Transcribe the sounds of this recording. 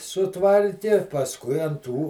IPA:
sʊˈtʋɐrʲkʲɪ pɐsˈkʊɪ ɐn ˈtuː

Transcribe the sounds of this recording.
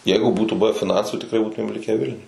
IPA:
ˈjɛɪɡʊ ˈbuːtuː ˈbʊʋʲɛ fʲɪˈnɐnsuː tʲɪkˈrɐɪ ˈbuːtʊmʲeːm ˈlʲɪkʲæː ˈʋʲɪlʲnʲʊj

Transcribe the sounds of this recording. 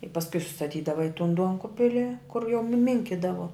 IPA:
ɪ pɐsˈkʊɪ sʊstɐˈtʲiːdɐʋɐ ɪ tʊn ˈduɔŋkʊbʲɪlʲɪ kʊr jɛʊ nʊ ˈmʲɪŋʲkʲɪdɐʋoː

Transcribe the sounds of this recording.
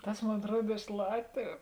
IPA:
ˈtɐs ˈmoːn ɐtˈruɔt ɪʃ ˈlˠɑːtʲʋʲʊ

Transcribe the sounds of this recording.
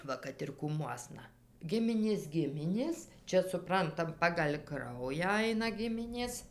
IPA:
ˈʋɐ kɐt ɪr kuːˈmuɔsnɐ ˈɡʲɪmʲɪnʲeːs ˈɡʲɪmʲɪnʲeːs ˈt͡ʃʲɛ sʊˈprɐntɐm pɐɡɐlʲ ˈkrɐʊjæː ˈɐɪnɐ ˈɡʲɪmʲɪnʲeːs

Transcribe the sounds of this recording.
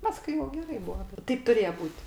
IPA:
ˈpɑːskʊɪ jɛʊ ɡʲɛˈrɐɪ ˈbʊɐ ˈtʲɛɪp tʊˈrʲeːjɛ ˈbuːtʲ

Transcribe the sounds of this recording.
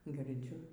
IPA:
ɡʲɪrʲˈd͡zʲʊ

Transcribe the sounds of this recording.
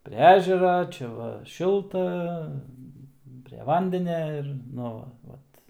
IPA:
ˈpʲrʲɛ ˈæːʒʲɛrɐ ˈt͡ʃʲɛ ʋɐ ˈʃʲɪlˠtɐ pʲrʲɛ ˈʋɐnʲdʲɛnʲɛ ɪr ˈnʊ ʋɐ ˈʋɐt

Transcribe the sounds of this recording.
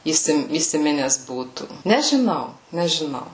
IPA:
iːˈsʲɪm iːsʲɪˈmʲɪnʲɛs ˈbuːtuː nʲɛʒʲɪˈnɐʊ nʲɛʒʲɪˈnɐʊ

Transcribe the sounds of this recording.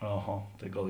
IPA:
ɐˈɣɐ tɐɪ ˈɡɐlˠ

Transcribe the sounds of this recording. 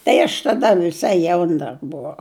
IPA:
tɐɪ ɐʃ tɐˈdɐ ʋʲɪˈsɐɪ ˈjɛʊn dɐr bʊˈʋɐʊ

